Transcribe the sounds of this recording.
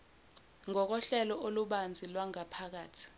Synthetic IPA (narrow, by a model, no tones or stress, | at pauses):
ŋɔk̬ɔɬɛlɔʔoluɓand͡zʱilwaŋapʰak̬aːtʰi̥